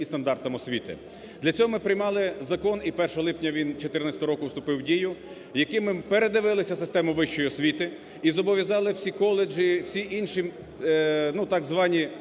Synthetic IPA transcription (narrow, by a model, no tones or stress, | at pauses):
ist̪ɐnd̪ɑrt̪ɐmɔsʲʋʲit̪ɪ̰ | d̪lʲɐt͡sʲɔɦɔmɪpɾɪjmɑlˠɪzɐkɔnipɛrʃɐɦɔlˠɪpnʲɐʋʲint͡ʃɔt̪ɪrnɑsʲɐt̪ɔɦɔɾɔkʊwst̪ʊpɪwdʲijʊ | jɐkɪmɪpeɾed̪ɪʋɪlˠɪsʲɐsɪst̪ɛmʊʋɪʃt͡ʃːɔjiɔsʲʋʲit̪ɪ | izɔbɔʋʲjɐzɑlˠɪwsʲikɔlˠed͡ʒiw̥sʲiʔinʃi | nut̪ɑɡzʋɑnʲi